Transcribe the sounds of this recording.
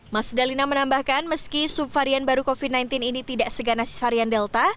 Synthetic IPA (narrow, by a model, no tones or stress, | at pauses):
masdalinamənambahkanməskisupfaɾianbaɾukofid̚najnt̪ininit̪idaʔsəɡanasɪ̥sfaɾiandɛlt̪a